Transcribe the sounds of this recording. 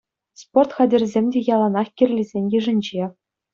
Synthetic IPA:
sport̪χɑdʲɘ̆rʲzʲemʲdʲejɑlˠɑnɑχkʲirʲlʲizʲenʲjɘ̆ʐɘ̆nʲd͡ʑe

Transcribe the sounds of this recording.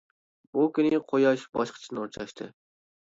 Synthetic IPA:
bukʲynɪqʰojɑʃbɑʃqʰə̥t͡ʃʰinuɾt͡ʃʰɑʃt̪ʰɨ̰

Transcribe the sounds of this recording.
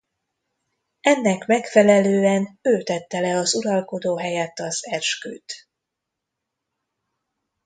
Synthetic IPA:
ɛnːɛkmɛkfɛlɛløːɛnøːt̪ɛt̪ːɛlɛɒzuɾɒlko̞d̪oːɦɛjɛt̪ːɒzɛrʃky̰ːt̪

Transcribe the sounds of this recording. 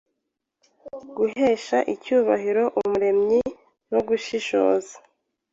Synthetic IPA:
ɡ̥uɦe̞ːʃaʔicuːβaɦiɾo̞ʔumuɾe̞mɲi | noɡuʃiʃo̞̰ːza

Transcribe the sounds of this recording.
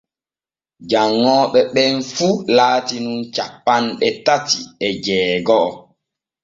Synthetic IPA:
d͡ʒaŋːɔːɓɛɓɛnfulaːtinunt͡ʃapːanɓɛtatiɛd͡ʒɛːɡɔʔɔ

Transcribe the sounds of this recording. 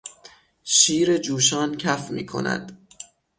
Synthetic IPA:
ʃiːɾe̞d͡ʒuːʃɒːncʰæfmḭːkʰo̞̰næ̰d̪̥

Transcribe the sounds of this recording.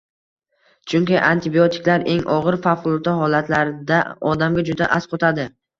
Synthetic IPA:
t͡ʃʰʊŋkʲɪʔant̪ʰɪbiot̪ʰɪ̥kʲlaɾe̞ŋʔɒʁɨɾfafqʊlˠt̪ʰaɦɒlat̪ʰlaɾd̪a̰ɒd̪amɡʲad͡ʒʊd̪aʔasqʰot̪ʰad̪ɪ

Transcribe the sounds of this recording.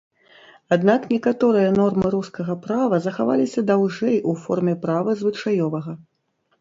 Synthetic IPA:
ad̪naknʲɛkat̪ɔɾɨjɐnɔrmɨɾuskɐɣɐpɾavɐzɐxavalʲisʲɐd̪awʐɛjʔufɔrmʲɛpɾavɐzvɨt͡ʂajɔvɐɣɐ

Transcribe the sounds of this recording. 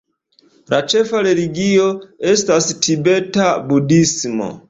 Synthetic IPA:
lʔat͡ʃɛfaɾeliɡiɔɛstastʰibɛtabudismɔ̰

